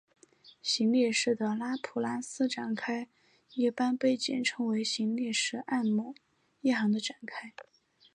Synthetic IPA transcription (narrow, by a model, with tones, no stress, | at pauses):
ɕi˧˥ŋljɛ˥˧ʂɻ̩˥˩d̪ə˩la˥pʰu˨˩la˥sɹ̩˥ʈ͡ʂa˨˩nkʰa˥ɪ | i˥˩pa˥npe˥˩ɪt͡ɕḭ˨˩nʈ͡ʂʰɤ˥ŋwe˧˥ɪɕi˧˥nljɛ˥˧˩ʂɻ̩˥˧ʔa˥˩nmu˨˥˩ | i˥˩xɑ˧˥ŋd̪ə˧ʈ͡ʂa˨˩nkʰa˥ɪ